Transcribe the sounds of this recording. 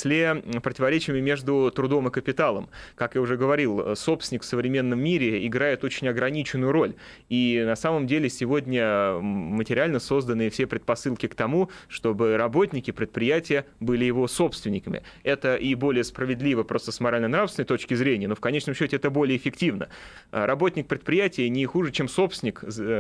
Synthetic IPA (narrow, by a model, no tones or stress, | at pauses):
sʲlʲepɾətʲɪvɐɾʲet͡ɕɪjɪmʲɪmʲe̞ʐd̪ʊt̪ɾʊd̪o̞mɨkəpʲɪt̪alˠə̰mkakjaʊʐɛɡəvɐɾʲilˠso̞psʲɪnʲɪkfsəvɾʲɪmʲe̞nːəmːʲiɾʲɪɪɡɾajɪt̪o̞t͡ɕɪnʲɐɡɾɐnʲit͡ɕɪnːʊjʊɾo̞lʲ | inɐsaməmdʲelʲɪsʲɪvo̞dʲnʲə | mətʲɪɾʲɪalʲnəso̞zd̪ənɨɪfsʲe̞pɾʲɪt̪̚pɐsɨlˠkʲɪkt̪ɐmuʂt̪o̞bɨɾɐbo̞tʲnʲɪkʲɪpɾʲɪt̪̚pɾʲɪjætʲɪjə | bɨlʲɪjɪvo̞so̞pst̪vʲɪnʲɪkəmʲɪ̰ɛt̪əʔibo̞lʲɪjəspɾəvʲɪd̪lʲivəpɾo̞st̪əsmɐɾalʲnənɾafsʲɪnəjt̪o̞t͡ɕkʲɪzɾʲenʲɪjənofkɐnʲet͡ɕnəmɕːotʲɪɛt̪əbo̞lʲɪjəɪfʲɪktʲivnə̰ | ɾʔɐbo̞tʲnʲɪk̚pɾʲɪt̪pɾʲɪjætʲɪjənʲɪxuʐɨt͡ɕe̞mso̞psʲɪnʲɪk